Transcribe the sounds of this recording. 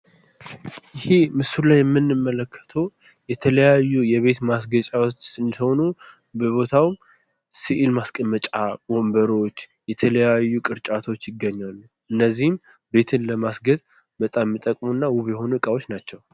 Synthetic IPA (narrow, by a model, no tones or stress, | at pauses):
jɪhemɨsulajɛmːɨnːɨmːələkʰːə̥t̪ʰəw | jɛt̪ʰələjajːujɛβe̞t̪mas̬ɡət͡ʃʼawot͡ʃːsɨnd̪iho̞nu | bəβo̞t̪ʰawm | siʔilmaskʼəmːət͡ʃʼabo̞mbəɾo̞t͡ʃːjɛt̪ʰələjajːukʼɨɾt͡ʃʼat̪ʰo̞t͡ʃːjɪɡəɲːalːu | ʔɨnːəzːihɨm | be̞t̪ʰɨnləmasɡət̪ | bət̪ʼamːɨt̪ʼəkʼmunːawuβjɛho̞nuɨkʼawot͡ʃːnat͡ʃːɛw